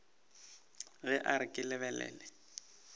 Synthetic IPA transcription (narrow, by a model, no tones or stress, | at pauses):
ɣɛʔaɾɪkʼɪlɛβɛlɛ̰ːlɛ